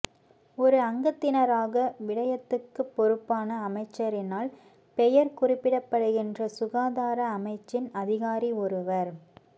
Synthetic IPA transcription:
ɔɾɯɐŋɡɐt̪ːɪnɐɾaːɣɐʋɪɽɐjɐt̪ːɯkːɯpːɔɾɯpːaːnɐːmɐɪt͡ʃːɐɾɪnaːl | pɛjɐɾkʊrɪpːɪɽɐpːɐɽɯɣɪndrɐsʊɣaːðaːɾɐːmɐɪt͡ʃːɪnɐðɪɣaːɾiɔɾɯʋɐɾ

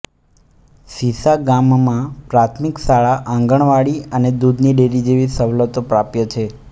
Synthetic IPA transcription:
sisaɡammãpɾat̪ʰmiksaɭaʔãŋɡəɳ̃ʋaɽiəned̪ud̪niɖeɾid͡ʒeʋisəʋlət̪opɾapjət͡ʃʰe

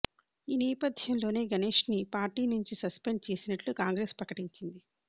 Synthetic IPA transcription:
iːnɛːpɐd̪ʱjɐmlo̞ːne̞ːɡɐne̞ːʂnipaːɾʈiːnuɲt͡ʃisɐspe̞ɳɖ̚t͡ʃe̞ːsinɐʈlukaːŋɡɾe̞ːspɾɐkɐʈiɲt͡ʃind̪i

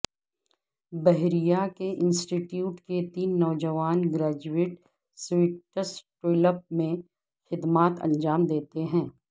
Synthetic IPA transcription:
bɛɦɾijakeʔɪ̃nsʈiʈjuːʈket̪iːnːɔːd͡ʒəʋaːnɡɾaːd͡ʒuɪʈ | sʋiʈəsʈɪləp̚mẽ | xɪd̪maːt̪ɐ̰̃nd͡ʒaːmd̪eːt̪eɦɛ̃ː

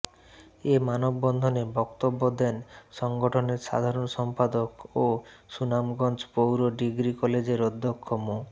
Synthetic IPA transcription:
emanobːɔnd̪ʱonebɔkt̪obːod̪ɛnʃɔŋɡoʈʰoneɾʃa̰d̪ʱaɾonʃɔmpad̪okosunamɡɔnt͡ɕpowɾoɖiɡɾikɔled͡ʑeɾɔd̪ʱːokʰːomo

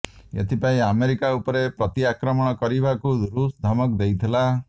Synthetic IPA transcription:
ḛt̪ʰipaĩameɾikaupɔɾepɾɔt̪iakɾɔmɔɽ̃ɔkɔɾibakud̪ɾusd̪ʱamɔkd̪ejt̪ʰila

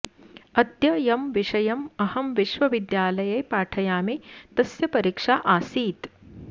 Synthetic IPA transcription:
ɐd̪jɐjɐmʋiʂɐjɐmɐhɐmʋiʃʋɐʋid̪jaːlɐjɐjpaːʈʰɐjaːmit̪ɐsjɐpɐɾiːkʂaːʔaːsiːt̪

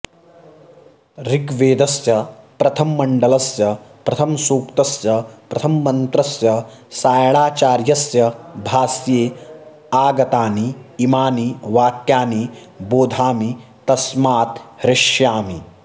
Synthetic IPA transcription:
ɾiɡʋeːd̪ɐsjɐpɾɐt̪ʰɐmːɐɳɖɐlɐsjɐpɾɐt̪ʰɐmsuːkt̪ɐsjɐpɾɐt̪ʰɐmːɐnt̪ɾɐsjɐ | saːjɐɳaːt͡ʃaːɾjɐsjɐbʱaːsjeː | aːɡɐt̪aːniːmaːniʋaːkjaːni | boːd̪ʱaːmi | t̪ɐsmaːt̪hɾɪʂjaːmi

